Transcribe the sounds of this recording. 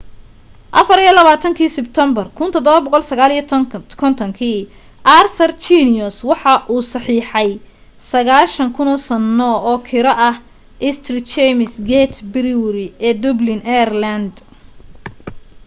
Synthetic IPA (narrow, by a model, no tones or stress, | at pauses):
ʔɐfɐɾijɐlɐβaːt̪ʰɐŋkʰiːsɪbt̪ʰɛmbɐrkʰʊnt̪ʰɔd̪ɔβɐbɔqɔlsɐɣaːlikʰɔnt̪ʰɔŋkʰiː | ʔart̪ʰɐrt͡ʃinɪɔswɑħɑʔuːsɑħiːħɑj | sɐɣaːlʃɐŋkʰʊnɔːsɐnːɔɔːkʰɪɾɐʔɐh | ʔɪst̪ʰrɪt͡ʃɛmɪsɡɛt̪ʰbɪɾɪwʊɾɪɛːd̪ʊblɪnɛrlɐnd̪